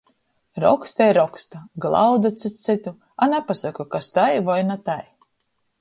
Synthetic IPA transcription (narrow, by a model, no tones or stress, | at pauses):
ɾɔ̰kst̪ajɾɔkst̪aɡlˠa̰wd̪at̪sɨsit̪u | anɛpasakukast̪ajvajnat̪aj